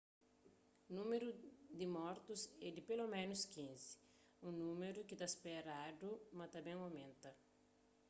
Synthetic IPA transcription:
nũmeɾud̪imɔɾt̪uzɛd̪ɪpelomẽnuskĩnzi̥ | ũnũmeɾukit̪aspeɾad̪umɐt̪ɐ̃bẽŋawmẽnt̪ɐ

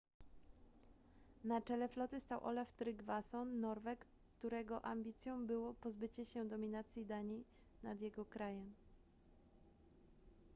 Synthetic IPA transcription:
nat͡ʂɛlɛflɔt̪ɘst̪awʔɔ̰lɛft̪ɾɘɡvasɔnːɔɾvɛk | t̪uɾɛɡɔʔamʲbʲit̪sʲjɔ̃w̃bɘwɔpɔzbɘt͡ɕɛɕɛd̪ɔmʲinat̪sʲjid̪aɲi | nad̪jɛɡɔkɾajɛm

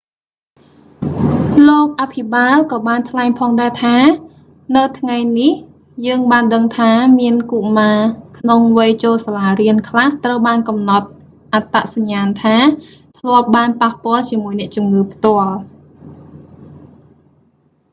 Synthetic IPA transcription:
loːk̚ʔapʰiɓaːlkɑːɓaːnt̪ʰlaɛŋpʰɑːŋɗaɛt̪ʰaː | nɨwt̪ʰŋajnih | jəːŋɓaːnɗəŋt̪ʰaːmiənkuʔmaːkʰnoŋʋəjt͡ɕoːlsalaːriənkʰlaht̪rəwɓaːnkɑmnɑt̪̚ | ʔat̪aʔsaɲːaːnt̪ʰaː | t̪ʰlŏəp̚ɓaːnpahpŏəlt͡ɕiəmuəjnɛ̆əʔt͡ɕumŋɨːpʰt̪ŏəl

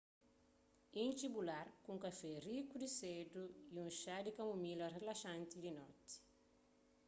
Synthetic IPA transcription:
ĩnt͡ʃibulaɾkũŋkafɛrikud̪ised̪ujũnʃad̪ikamumilɐrelaʃãnt̪id̪inɔ̰t̪i̥

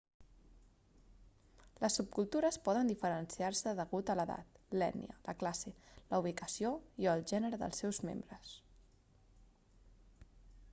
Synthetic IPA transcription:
ləsːup̚kulˠt̪uɾəspɔðənd̪ifəɾənsiarsəðəɣut̪ələða̰t̪lɛ̰nḭə̰ləklaseləuβ̞ikəsioiəlˠʒɛnəɾəðə̰lˠsɛwzmḛmbɾəs

